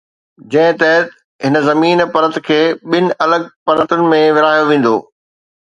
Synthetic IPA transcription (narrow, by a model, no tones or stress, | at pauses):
d͡ʑɐ̃ɦɪ̃t̪ɐɦət̪ | ɦɪnə̆zɐmiːnpɐɾə̃t̪kʰeːɓɪnɪ̆ʔɐləɡ̚pɐɾə̃t̪ʊnɪ̆mẽʋɪɾaːjoʋẽːn̆d̪o̰ː